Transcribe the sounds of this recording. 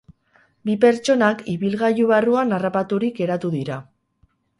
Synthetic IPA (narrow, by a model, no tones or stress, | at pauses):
bipe̞ɾt͡ʃo̞nakiβilɣajuβaruanarapat̪uɾike̞ɾat̪uðiɾa